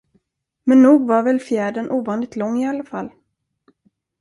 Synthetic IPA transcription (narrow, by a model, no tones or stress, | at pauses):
mɛnːuːɡvaɾvɛlfjæːɖənʔuːvɑːnɪt̪ʰlɔŋːɪalːafalː